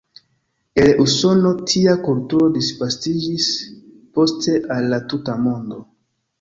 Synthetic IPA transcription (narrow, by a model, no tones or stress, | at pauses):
eluso̞no̞tʰiakultuɾo̞disvastid͡ʒis | po̞ste̞ʔalːatutamo̞ndo̞